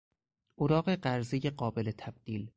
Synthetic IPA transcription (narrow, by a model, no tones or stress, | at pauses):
oɾɒːɢe̞ɢæɾzeje̞ɢɒːbe̞le̞t̪ʰæb̥̚d̪̥iːl